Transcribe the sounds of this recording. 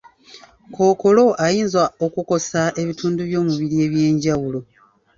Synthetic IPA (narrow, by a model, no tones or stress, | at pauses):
ko̞ːko̞lo̞ajiːnzwao̞kuko̞sae̞βituːnduβjo̞ːmuβiɾieβje̞ːɲɟawulo̞